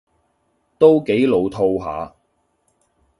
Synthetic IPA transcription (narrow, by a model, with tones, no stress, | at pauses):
t̪o˥wke˨˥jlo˨˧wt̪ʰo˧wɦa̰ː˨˧